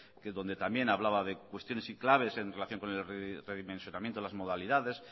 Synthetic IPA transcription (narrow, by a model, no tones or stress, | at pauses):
keðo̞nd̪e̞t̪ambje̞naβlaβaðe̞kwe̞st̪jo̞ne̞siklaβ̞e̞se̞nrelaθjoŋko̞ne̞lreðimẽnsjonamjẽnt̪elazmo̞ð̞aliðaðe̞s